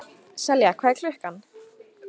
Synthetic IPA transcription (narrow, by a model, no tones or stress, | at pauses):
sɛljakʰvaːjkʰlʏhkan